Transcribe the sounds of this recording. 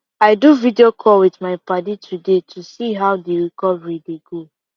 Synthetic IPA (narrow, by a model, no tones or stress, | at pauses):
aɪduvidiokʰɔlwitmaɪpaditʰudetʰusiɦaʊdeɹikɔvɹideɡo